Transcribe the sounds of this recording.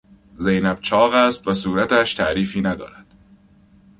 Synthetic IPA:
zejnæb̥̚t͡ʃʰɒːɣæst̪væsuːɾæt̪ʰæʃt̪ʰæʔɾiːfiːnæd̪ɒ̰ːɾæd̪̥

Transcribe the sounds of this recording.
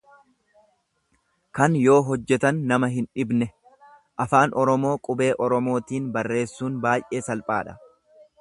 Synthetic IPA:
kɐnjo̞ːɦɔd͡ʒːɛt̪ɐnːɐmɐɦɪnᶑɪbnɛ | ʔɐfaːnʔɔɾɔmo̞ːkʼʊbe̞ːʔɔɾɔmo̞ːt̪iːnbɐrːe̞ːsːuːnbaːjʔe̞ːsɐlpʼaːᶑɐ̥

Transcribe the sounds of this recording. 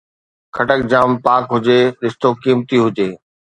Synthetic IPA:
kʰɐʈək̚d͡ʑaːmpaːkɦʊd͡ʑeːɗɪst̪okiːmt̪iɦʊd͡ʑeː

